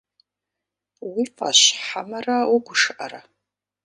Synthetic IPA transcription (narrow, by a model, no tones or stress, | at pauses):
wifa̰ɕħamɐrɐwuɡʷʊʂɨʔɐ̰ɾɐ